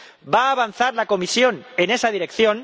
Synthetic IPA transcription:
baːβ̞anθaɾlako̞misjo̞ne̞nesaðiɾe̞kθjo̞n

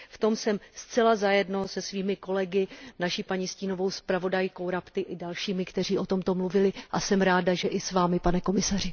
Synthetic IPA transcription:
ft̪o̞msɛmst͡sɛlazajɛdno̞sɛsviːmɪko̞lɛɡɪnaʃipaɲisciːno̞vo̞wspɾavo̞dajko̞wɾapt̪ɪʔɪdalʃiːmɪkt̪ɛr̝iːʔo̞t̪o̞mt̪o̞mluvɪlɪʔasɛmɾaːdaʒɛʔɪsvaːmɪpanɛko̞mɪsarɪ

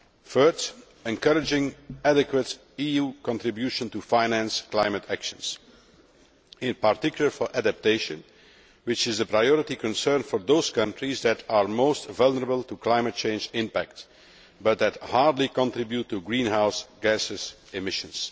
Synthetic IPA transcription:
fɜ˞ | ɛ̃nkʌɹɪd͡ʒɪ̃ŋædɪkwət | ijuːkɔ̃ntɹɪbjuʃə̃ntufaɪnæ̃nsklaɪmətʰækʃə̃ns | ɪ̃npaɹtɪkjʊl̩ˠəɹfɔɹʔædæp̚teɪʃə̃n | wɪt͡ʃɪzðəpɹajɔɹɪtikɔ̃nsɜɹnfɔɹd̪oʊskʌ̃ntɹizd̪ætʰaɹmoʊstvʌlˠnəɹəbəlˠtuklaɪmət̚t͡ʃẽɪ̃nd͡ʒɪ̃mpæk̚t | bʌt̪̚d̪æthɑɹdˡlikɔ̃ntɹɪbjutːuɡɹĩːnɦaʊsɡ̥æsɪz | ɪmɪʃə̃ns

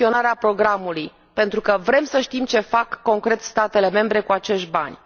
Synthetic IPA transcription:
io̞naɾeapɾo̞ɡɾamuluj | pe̞nt̪ɾukəvɾe̞msəʃt̪imt͡ʃe̞fakːo̞ŋkɾe̞t̪st̪at̪e̞le̞me̞mbɾe̞kuat͡ʃe̞ʃtʲba̰nʲ

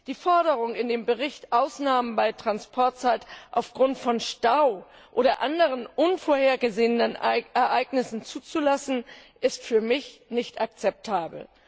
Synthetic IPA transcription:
d̥iːfɔɐɾəʁ̞ʊŋɪndeːmbəʁɪçtʔaʊsnaːmənbaɪtʁ̥anspʰɔɐtt͡saɪtʔaʊfɡ̥ʁʊntfɔnʃtaʊ | ʔoːɾɐʔandəʁ̞ənʔʊnfoːɐheːɐɡəzeːənənɛɐʔaɪɡnɪsn̩t͡suːt͡sulasn̩ʔɪstfyːɐmɪçnɪçtʔak̚t͡sɛp̚tʰaːbl̩

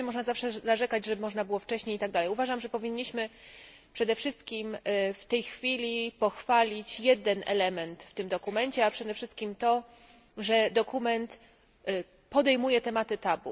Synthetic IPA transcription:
ɛmɔʐnazafʂɛzaʐɛkad͡ʑʐɛmɔʐnabɘwɔft͡ʂɛɕɲejit̪aɡd̪alɛjuvaʐamʐɛpɔvʲiɲːiɕmɘ | pʂɛd̪ɛfʂɘst̪̚kʲimft̪ɛjxfʲilʲipɔxfalʲit͡ɕjɛd̪ɛnɛ̰lɛmɛnt̪ft̪ɘmd̪ɔkumɛɲt͡ɕɛapʂɛd̪ɛfʂɘst̪̚kʲimt̪ɔ | ʐɛd̪ɔkumɛnt̪ | pɔd̪ɛjmujɛt̪ɛmat̪ɘt̪abṵ

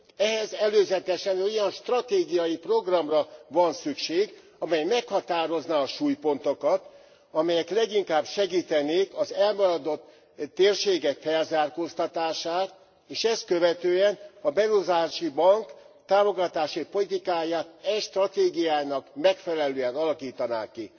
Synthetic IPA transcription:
ɛɦɛzɛløːzɛt̪ɛʃɛnojɒnʃt̪rɒt̪eːɡijɒjipro̞ɡrɒmrɒvɒnsykʃeːɡ | ɒmɛjmɛkhɒt̪aːɾo̞znaːʃuːjpo̞nt̪okɒt̪ | ɒmɛjɛklɛɡiŋkaːbʃɛɡiːt̪ɛneːkɒzɛlmɒɾɒd̪o̞t̪ː | eːrʃeːɡɛkfɛlzaːrkost̪ɒt̪aːʃaːt̪̚ | eːʃɛskø̞vɛt̪øːɛnɒbɛɾuzaːʃibɒŋk | t̪aːmo̞ɡɒt̪aːʃipo̞lit̪ikaːjaːt̪ɛʃt̪rɒt̪eːɡijaːjnɒkmɛkfɛlɛløːɛnɒlɒkiːt̪ɒna̰ːkːi

